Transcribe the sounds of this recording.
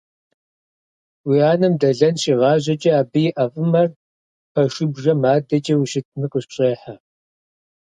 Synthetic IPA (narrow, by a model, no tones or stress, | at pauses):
wiaːnɐmdɐɮɐnɕʼiːʁɑːʑɐt͡ʃʼɐaːbɨjɪʔɐfʼɨmɐr | pʰɐʃʊbʒɐmaːdɐt͡ʃʼɐwiʃɪt̚ʰnɨqʼʊɕɕʼeːħa